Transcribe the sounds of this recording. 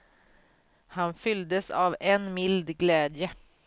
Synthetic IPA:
hɑnfʏld̪əsɑːʋenmɪld̪ɡleːd̪jə

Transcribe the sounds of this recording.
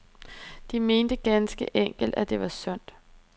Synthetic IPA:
d̥ime̝ːnd̥əɡ̥ænsɡ̥əʔeŋ̰ɡ̥l̩d̥æd̥e̝ʋɑ̈sœn̰d̥

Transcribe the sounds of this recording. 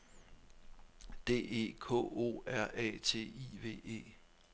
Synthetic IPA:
d̥e̝̰ːe̝̰ːkʰɔ̰̽ːo̝̰ːæɐ̰ʔɛ̰t͡sʰe̝̰ːiʋe̝̰ːe̝̰ː

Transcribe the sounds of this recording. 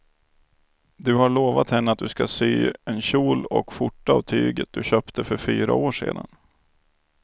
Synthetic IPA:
d̪ɵhaɭoːvat̪hɛnːəat̪̚d̪ɵskasyːɛnɕuːlɔ̰kfʊʈːaavt̪ʰyːɡət̪̚d̪ɵɕœːpt̪ʰəfœɾfyːɾa̰oːʂḛːd̪an

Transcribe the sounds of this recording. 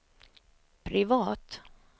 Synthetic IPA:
pʰɾɪvɑːt̪

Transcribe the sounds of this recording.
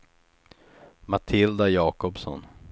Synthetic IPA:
mat̪ʰɪld̪ajɑːkɔpsɔ̰n

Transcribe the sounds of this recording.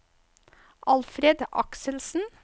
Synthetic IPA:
ʔɑlfɾeːd̪ʔɑ̰ksəlsn̩

